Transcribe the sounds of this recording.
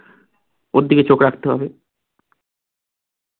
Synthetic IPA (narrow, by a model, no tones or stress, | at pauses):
od̪ːiket͡ɕokɾakʰt̪eɦɔ̰be